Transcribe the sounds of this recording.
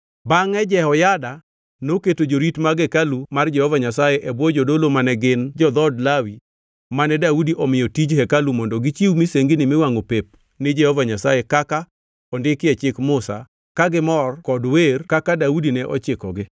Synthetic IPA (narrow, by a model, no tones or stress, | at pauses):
baŋɛd͡ʒɛɔjada | noketod͡ʒoɾitmaɡɛkalumard͡ʒɛhɔvaɲasajɛʔɛbwɔd͡ʒodolomanɛɡɪnd͡ʒɔd̪ɔdlawi | manɛdaudiʔɔmɪjɔtid͡ʒhɛkalumɔndɔɡɪt͡ʃiwmiseŋɡinɪmɪwaŋopep̚ | nɪd͡ʒɛhɔvaɲasajɛkaka | ɔndɪkɪɛt͡ʃɪkmʊsa̰ | kaɡɪmɔrkɔdwerkakadaudinɛʔɔt͡ʃɪkɔ̰ɡɪ